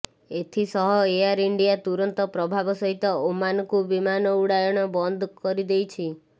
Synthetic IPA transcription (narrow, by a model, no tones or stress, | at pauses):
et̪ʰisɔɦɔeaɾiɳɖijat̪uɾɔnt̪ɔpɾɔbʱabɔsɔɦit̪ɔomanɔkubimanɔuɽajɔɽ̃ɔbɔnd̪ʱkɔɾid̪ejt͡ʃʰi